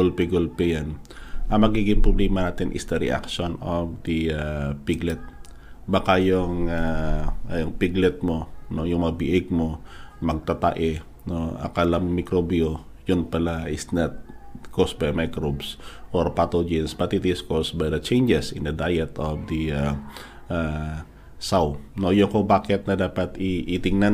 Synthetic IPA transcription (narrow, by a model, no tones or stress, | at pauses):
olpiɡolpɛjanʔɐŋmɐɡiːɡɪŋpɾoblɛːmɐnaːt̪ɪnʔɪ̰sd̪ɐɾɛ̰ʔa̰kʃonofd̪iapiɡlɛt̪̚ | bɐkajʊŋa | jʊŋpiɡlɛt̪̚monojʊŋmɐɐbɪʔɪɡ̚momɐɡ̚t̪at̪a̰ʔɛ | noʔa̰kalaŋmɪkɾobio | jʊnpɐlaɪsnɐt̪̚kosbajmajkɾobsʔɔɾpat̪od͡ʒɪnsbɐt̪ɪt̪ɪskosbajd̪ɐt͡ʃɛjnd͡ʒɛsɪ̰nd̪ɐd̪ajɛt̪ofd̪ia | ʔa | sawnojʊŋkobaːkɪt̪̚nɐd̪aːpɐt̪ɪʔɪt̪ɪŋna